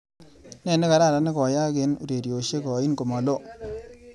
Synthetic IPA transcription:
nɛ˨ne˦ka˨ɾa˦˨ɾa˨ne˦kɔ˨ja˦kɪ˦nṵ˨ɾe˨ɾjo˨ʃe˦kɔ˨i˦nko˨ma˨lo˦

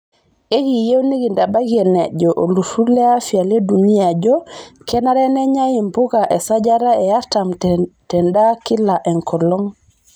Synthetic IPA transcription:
e˦ki˨je˦wni˦ɡi˨nda˨ba˦ɡe˨ne˨ɟɔʔo˨lu˨sule˦afia˨le˦duni˦a˨ɟokɛ˦na˦ɾe˦ne˦ɲa˦ji˨mpu˦ka˨ʔe˨sa˦ɟaɾa˦ejatamtɛndaki˦la˨ʔe˨ŋkʰɔlɔŋ

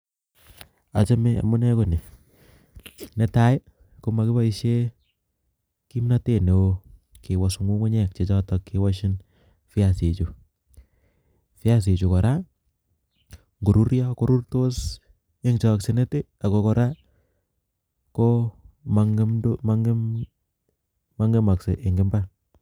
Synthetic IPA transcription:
a˨t͡ʃa˦me˦a̰˨mʊ˦nɛ˦ko˨nɪ˨ | nɛ˦ta˦ɪ˦ | ko˦ma˨kɪ˦ba˦i˦ʃe˦ | ki˦mna˦te˦˨ne˨o˦ | ke˨wɔ˨su˨ŋu˦kʊ˦ɲɛ˨k̚t͡ʃe˨t͡ʃɔ˦tɔ˨kːi˨wɔ˦ʃ̬ɪ˦n | fɪ˦a˨se˨t͡ʃu˨ | fɪ˦a˦s̬e˨t͡ʃu˨kɔ˨ɾa˦ | ŋɡo˨ɾu˦ɾjɔ˦ko˦ɾu˦rto˦s | e˦ŋt͡ʃa˨a˨kse˨nɛ˦tɪ˦ | a˨kɔ˨kɔ˨ɾa˦ | ko˦ma˨ŋ˦mdma˦ŋɡɪ˦m | ma˦ŋɡe˦ma˨kse˨ʔe˨ŋɡɪ˦mba˦

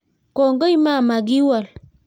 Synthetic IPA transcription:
kɔ˨ŋɡə˦i˦ma˦˨ma˨ɡi˦wa˨l

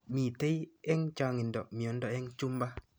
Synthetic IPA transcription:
mi˨te˦jɛ˦ŋt͡ʃa˨ŋi˨ndɔ˨mi˨o˨˦ndɔ˨ɛ˦ŋt͡ʃu˦mba˦

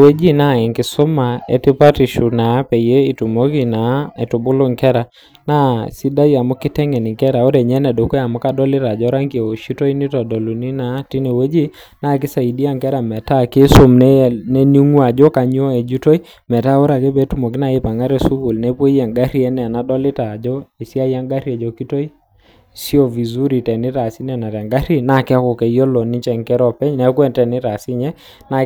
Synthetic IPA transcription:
we˦d͡ʒi˦na˦˨ɛ˨ŋkɪ˨sʊ˦ma˨ɛ̰˨ti˦pa˦ti˨ʃu˨na˨˦pɛ˨je˦i˨tu˨mo˦ki˦na˨˦ɛ˨tu˨bʊ˦lʊ˦ŋkɛ˦ɾa˨ | na˦si˦da˦ja˨mʊ˦ki˦tɛ˦ŋɛ˨ni˨ŋkɛ˦ɾa˨o˦ɾɛ˨ɲɛ˦nɛ˨do˨ku˦a˨mʊ˦ka˦dɔ˦lɪ˦ɾa˨d͡ʒɔ˦ɾa˦ŋki˨e˨o˨ʃi˦to˦i˦ni˦tɔ˨dɔ˨lu˨ni˦na˨˦ti˦ne˨we˦d͡ʒi˦ | na˦˨kɪ˦sa˨i˨di˦a˦ŋkɛ˦ɾa˨mɛ˨ta˦˨kɪ˦so˦mn˦nɛ˦ni˦ŋwa˨d͡ʒɔ˦ka˨ɲ˦ɔ˦ɛ˨d͡ʒu˦to˦i˦ | mɛ˨ta˦o˦ɾa˨ke˦pɛ˦tu˦mo˨k̬ɪ˦na˨e˦pa˨ŋɡa˦ɾɛ˨su˦ku˨lnɛ˦pe˦ɛ˨ŋɡa˦ɾjɛ˦nɛ˨na˨dɔ˦lɪ˦ta˨d͡ʒɔ˦i˨si˦a˦ja˦ŋɡa˦ɾi˦a˨d͡ʒɔ˨ki˦to˦i˦ | si˦ɔ˨vi˨zu˦ɾi˨tɛ˨nɪ˦ta˨si˦nɛ˨na˨ɾa˨ŋɡa˦ɾi˦na˦˨kɪ˦a˦kɔ˨kɛ˨jɔ˦lɔ˨ni˦t͡ʃɛ˨ŋkɛ˦ɾɔ˦pɛ˦ɲnɛ˨˦kwɛ˦˨ntɛ˨nɪ˦ta˨si˦ɲɛ˦ | na˦

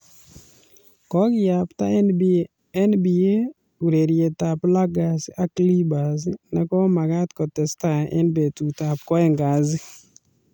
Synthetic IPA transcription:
kɔ˦ɡɪ˦ja˨pta˦ | ɛ˦nbi˨e˦ | u˨ɾe˨ɾje˨ta˨pla˦ɡa˨sɪ˦ʔa˦kli˦ba˨z̬ɪ˦nɛ˨kɔ˦ma˨ka˦tkɔ˨tɛ˨sta˦˨ʔɛ̰˦nbe˨tu˨ta˨p̚kɔ˦ɛ˦ŋɡa˨zɪ˦

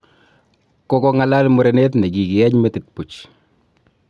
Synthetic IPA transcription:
ko˦kɔ˦ŋa˨la˦lmo˦ɾe˨ne˦t̪nɛ˨ɡi˨ɡɪ˨ɛ˦ɲme˦t̪ɪ˨t̪̚pu˨t͡ʃ

